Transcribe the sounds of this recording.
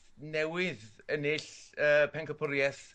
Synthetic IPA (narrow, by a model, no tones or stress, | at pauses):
nɛwɪðənɪɬəːpʰɛŋkʰəpʰʊɾjɛs